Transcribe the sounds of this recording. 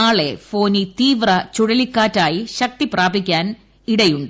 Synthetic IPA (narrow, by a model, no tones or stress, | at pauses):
aːɭe̞fo̞ːnit̪iːʋrɐt͡ɕuɽɐlikːaːtːaːjiɕɐk̚t̪ipraːbʱikʲːaːn | iɽɐjuɳɖɨ